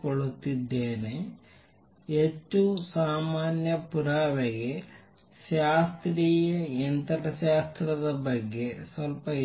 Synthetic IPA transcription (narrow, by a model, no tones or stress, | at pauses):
koɭut̪ːid̪ːeːne | etːusaːmaːnjɐpuɾaːʋeɡe̞ | ʃaːst̪ɾiːjɐent̪ɐɾɐʃaːst̪ɾɐd̪ɐbɐɡːe̞sʋɐlpɐ